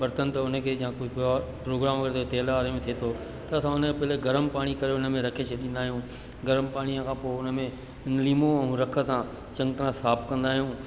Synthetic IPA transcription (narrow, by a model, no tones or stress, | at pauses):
bɐɾt̪ənt̪ɐʊnəkʰeːd͡ʑãkʊd͡ʑʱapɾoːɡɾaːmkʰəɾt̪ʰot̪eːlaaːɾemẽt̪ʰiet̪ʰo | t̪ɐːsãʊnəkʰepɐɦɪleɡɐɾəmpaːɽ̃ikɐɾeʊnə̆mẽɾɐkʰet͡ɕʰəɗĩnd̪aːɦijũː | ɡɐɾəmpaːɽ̃iə̃kʰãːpoʊnə̆mẽ | nliːmoɛ̃ɾɐkʰə̆sãː | t͡ɕɐ̃ŋɡt̪əɾãsaːpkɐ̃nd̪aːɦijũː